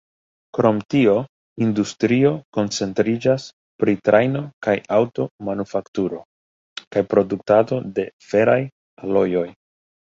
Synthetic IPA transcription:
kɾo̞mtio̞ | industɾio̞ko̞nt͡se̞ntɾid͡ʒas | pɾitɾʔajno̞kajawto̞manufaktuɾo̞ | kajpɾo̞duktato̞de̞fe̞ɾaj | alo̞jo̞j

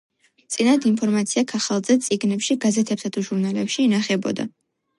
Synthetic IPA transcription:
t̪sʼinad̪inpʰɔɾmat̪sʰiakʰaχalˠd̪zɛt̪sʼiɡnɛpʃiɡazɛt̪ʰɛpsat̪ʰuʒuɾnalɛpʃiːnaχɛbɔ̰d̪a̰

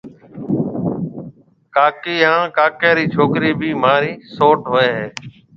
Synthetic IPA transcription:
kaːkiːɦãːkaːkaːɾiːt͡ʃʰoːkɾiːbʱiːmaːɾiːsoːʈɦoːeːɦeː

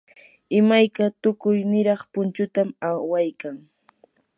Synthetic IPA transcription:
ɪmajkat̪ʊkʊjnɪɾɑχpʊnt͡ʃʊt̪amawajkaŋ

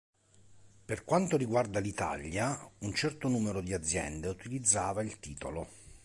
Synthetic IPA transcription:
perkwant̪oɾiɡward̪alit̪a̰ʎːjaunt͡ʃɛrt̪onuːmeɾod̪iad̪zːjɛ̰nd̪eut̪ilid̪zːaːvailt̪iːt̪olo

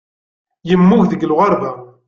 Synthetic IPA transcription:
jəmːʊʝðəɡlʁəɾˤbæ

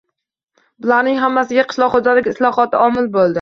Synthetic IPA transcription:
bɪlaɾnɪŋɦamːasɪɡʲaqʰɨ̥ʃlˠɒχod͡ʒalɪkʲɪslˠɒχɒt̪ɪɒmɪlbolˠd̪ɪ

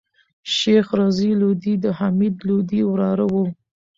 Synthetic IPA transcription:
ʃexɾɑzilod̪id̪əhamid̪lod̪iwɾɑɾawə

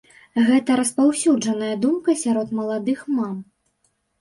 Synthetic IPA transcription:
ɣɛt̪ɐɾɐspawsʲud͡ʐɐnɐjɐd̪umkɐsʲaɾɔt̪mɐlˠad̪ɨxmam

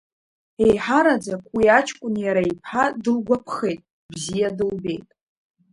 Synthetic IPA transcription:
e̞jħaɾad͡zakʷʼwiat͡ʃʰʼkʷʼʊnjaɾaipʰħadɨrɡʷapʰχe̞jtʼ | bzijadɨlbe̞̰jtʼ

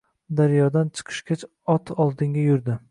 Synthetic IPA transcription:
d̪aɾjɒd̪ant͡ʃʰɨ̥qʰɨ̥ʃkʲat͡ʃ | ɒt̪ʰɒlˠd̪ɪŋɡʲajʊɾd̪ɪ

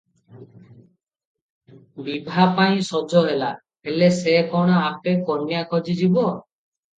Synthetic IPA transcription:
bibʱapaĩsɔd͡ʒɔɦela | elesekɔɽ̃ɔapekɔnjakɔd͡ʒid͡ʒibɔ

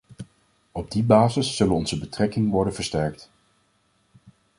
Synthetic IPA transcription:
ɔb̚dibaːzəsːɵlənɔnzəbətrɛkɪŋʋɔɹdənv̥əɹstɛɹk̚t

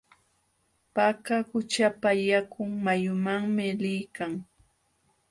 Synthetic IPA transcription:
pakahʊt͡ʃapajakʊŋmajʊmaŋmɪlɪjkaŋ

